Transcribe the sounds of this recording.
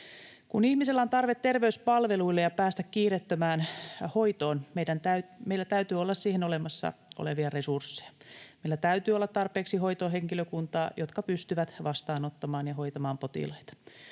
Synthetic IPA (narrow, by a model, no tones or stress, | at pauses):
kunihmiselːæont̪ɑrʋet̪ːerʋeyspɑlʋeluilːejɑpæːst̪ækkiːret̪ːømæːnho̞jt̪o̞ːnmeidænt̪æymeilːæt̪æyt̪yolːɑssiːhenolemɑsːɑ̰o̰leʋiɑre̞sursːe̥jɑ̥meilːæt̪æyt̪yːolːɑt̪t̪ːɑrpeːksiɦo̞it̪oɦeŋkiløkunt̪ɑːjʔot̪kɑpyst̪yʋæt̪ʋɑst̪ɑːnot̪ːɑmɑːnjɑɦo̞jt̪ɑmɑːmpo̞t̪ḭlɑjt̪ɑ̥